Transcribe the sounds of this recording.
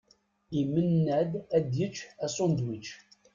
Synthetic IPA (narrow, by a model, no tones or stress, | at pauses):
imənːæd̪æd̪jət͡ʃːæsond̪wit͡ʃ